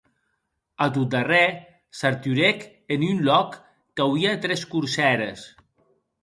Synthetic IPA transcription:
at̪̬ut̪̚d̪arɛ | saɾt̪yɾek | enynlɔkː | awiat̪ɾɛskuɾsɛɾəs

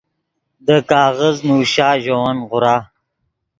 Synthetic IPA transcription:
d̪əkɑːɣəznuːʃɑːʒowanʁʊɾɑː

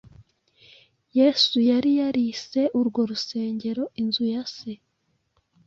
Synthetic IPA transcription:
je̞ːsujaɾijaɾise̞ʔuɾɡo̞ɾuse̞ːɲɟe̞ɾo̞inzujase

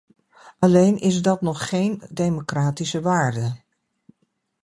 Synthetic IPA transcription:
ʔalejnʔɪsdɔtnɔχːejndejmokraːtisəʋaːɹdə

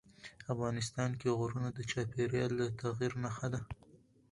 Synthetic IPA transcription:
afɣɑnɪs̬t̪ɑnkeɣoɾunad̪ət͡ʃɑpeɾjɑlːat̪aɣiɾnaxad̪a

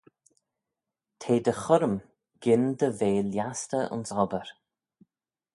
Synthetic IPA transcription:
t̪ʰeːd̪əxʊɾəm | ɡ̥ɪnd̪əveːljastəʊ̰nsɔbəɾ

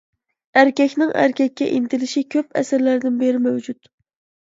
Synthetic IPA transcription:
æɾkʲɛkʲnɪŋʔæ̰ɾkʲʰɛkʲːɛ̰ʔint̪ʰɪlɪʃikʲʰøpɛ̰sɪɾlæɾd̪ɪnbeɾɪmæwd͡ʒut̪

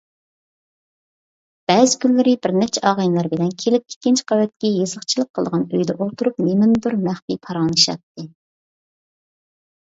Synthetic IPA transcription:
b̥ɛːzɪkʲʰynlːɪɾɪbɪɾnɛt͡ʃʰɛɑːʁəjnlˠɑɾbɪnɛnkʲʰelɪp̚kʲʰe̥kʲːɪnt͡ʃqʰɑwɛt̪̚kʲɛjezəχt͡ʃʰilˠəqʰːəlˠəʁɑnøjd̪ɛʔolˠt̪ʰuɾup̚memɪnd̪uɾmæχpipʰɑɾɑŋlˠɨʃɑ̰t̪ʰːɨ

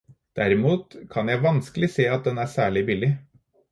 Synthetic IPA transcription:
d̪̥æɾɪmuːt̪kʰɑnjæɪʋɑnskəlɪseːɑt̪̚d̪ɛnæːsæːɭɪbɪlɪ

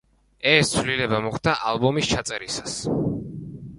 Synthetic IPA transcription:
ɛst̪sʰvlilɛbamɔχd̪aʔalˠbɔmist͡ʃʰat̪sʼɛɾisas

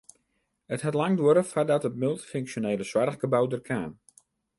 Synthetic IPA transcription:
əthatlaŋdwʊɾəfadɔtət̚mɪlˠtfyŋksjoneːləswarɣɡəbawdərkʰaːn

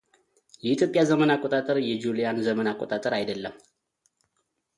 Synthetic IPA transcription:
jɛit̪ʰjo̞pʼːjazəmənakʼot̪ʼat̪ʼəɾjɛd͡ʒulijanzəmənakʷʼːot̪ʼat̪ʼəɾajd̪əlːəm

